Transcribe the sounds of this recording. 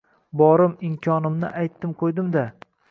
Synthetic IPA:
bɒɾɪmɪmkʲʰɒnɪmnɪ̰ʔajt̪ːɪmqʰojd̪ɪmd̪a

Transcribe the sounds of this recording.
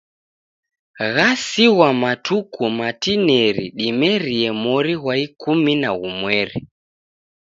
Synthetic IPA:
ɣasiɣwamatukumatinɛɾiɗimɛɾiɛmɔɾiɣwaikuminaɣumwɛɾi

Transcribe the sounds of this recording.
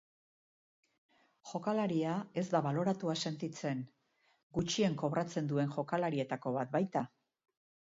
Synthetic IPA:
ʝo̞kalaɾiae̞zd̪aβalo̞ɾat̪uase̞nt̪it͡se̞ŋ | ɡut͡ʃie̞ŋko̞βɾat͡se̞nd̪ue̞nʝo̞kalaɾie̞t̪ako̞βat̪̚bajt̪a

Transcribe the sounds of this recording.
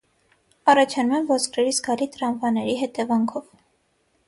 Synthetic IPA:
ɑrɑt͡ʃʰɑnumɛmvɔskʰɾɛɾizɡɑlit̪ɾɑnvɑnɛɾiɦɛt̪ɛvɑŋkʰɔv

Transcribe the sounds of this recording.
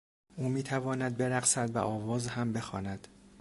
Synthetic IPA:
ʔuːmiːt̪ʰævɒːnæd̪̚be̞ɾæɣsæd̪væ̰ʔɒːvɒːzhæmbe̞xɒ̰ːnæd̪̥

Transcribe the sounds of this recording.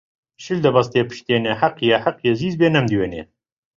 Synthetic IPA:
ʃɨld̪ɐbɐst̪eːpɨ̥ʃt̪eːneħɐqjɛħaqjɛziːzbeːnɛmd̪iwenḛː

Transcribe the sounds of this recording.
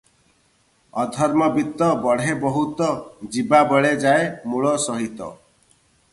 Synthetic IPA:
ɔd̪ʱɔɾmɔbit̪ːɔbɔɽ̤ebɔɦut̪ɔd͡ʒibabɔɭed͡ʒaemuɭɔsɔɦit̪ɔ̰

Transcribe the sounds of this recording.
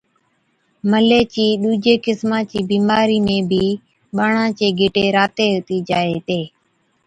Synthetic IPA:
məleːt͡ʃiːɗuːd͡ʒeːkɪsmãːt͡ʃiːbiːmaːɾiːmẽːbʱiː | ɓaːɳãːt͡ʃeːɡʱɪʈeːɾaːt̪eːɦt̪iːd͡ʒaːeːt̪eː

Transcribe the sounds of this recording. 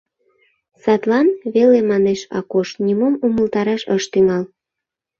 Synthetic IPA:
sɑt̪lɑnβelemɑneʃɑ̰koʃnʲimumuməlt̪ɑɾɑʃəʃt̪yŋɑl

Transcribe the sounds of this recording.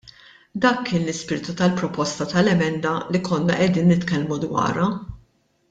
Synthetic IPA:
d̪ɐːkːɪːnlɪspɪːɾt̪ut̪ɐlpɾɔpɔst̪ɐt̪ɐlɛmɛnd̪ɐlikʰɔnːɐʔɛd̪iːnːɪt̪kɛlmud̪wɐ̰ːɾɐ

